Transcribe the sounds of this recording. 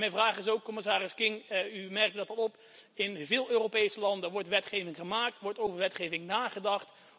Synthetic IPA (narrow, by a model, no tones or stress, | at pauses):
mɛjnvraːχɪsowkːɔmɪs̬aːɾɪskɪŋymɛrk̚tdɑtɑtɔp | ɪnvɪːlˠøːrowpejsəlɑndəʋɔɹtʋɛtχejvɪŋχəmaːk̚tʋɔɹtowvəɹʋɛtχejvɪŋnaːχədɑχt